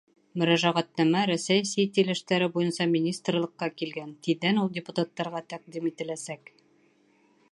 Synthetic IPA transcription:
mɵ̆ɾæʒæʁæt̪̚næmæɾæsæjsit̪ilɘ̆ʃt̪æɾɘbujɤnsɑmʲɪnʲist̪rlˠɤ̆qːɑkilɡænt̪iðænulˠdʲɪput̪at̪ːɑɾʁɑt̪ɑq̚d̪imit̪ɘ̆læsæk

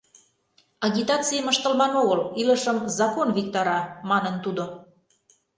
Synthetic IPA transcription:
ɑɣʲit̪ɑt͡sijəməʃt̪ə̆lbɑnoɣəliləʃəmzɑkonβik̚t̪ɑɾɑmɑnənt̪ud̪o

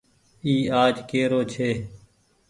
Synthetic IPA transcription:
iːaːd͡ʒkeːɾoːt͡ʃʰeː

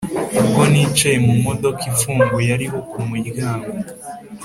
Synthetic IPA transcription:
ukonit͡ʃejemumodo̞kʰifuːŋɡwejaɾiɦokumiɾɡaːŋɡo

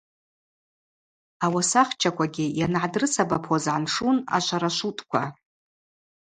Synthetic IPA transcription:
awasaχt͡ʃʰakʷʰʼaɡʲɪjanʕadrɨsabapʰozʕanʂuna̰ʃʷaɾaʃʷutʼkʷʰa

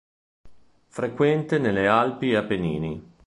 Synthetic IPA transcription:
fɾekwɛnt̪enelːealpiapːenḭːni

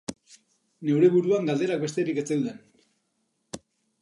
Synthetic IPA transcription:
ne̞wɾe̞βuɾuaŋɡald̪e̞ɾak̚be̞st̪e̞ɾiket͡seðuðen

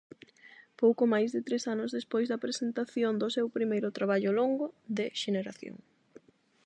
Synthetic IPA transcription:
powkʊmajzðɪt̪ɾesanʊzðespojzðɐpɾesent̪aθjond̪ʊsɛwpɾimejɾʊt̪ɾaβ̞aʎʊloŋɡʊðeʃeneɾaθjo̰ŋ

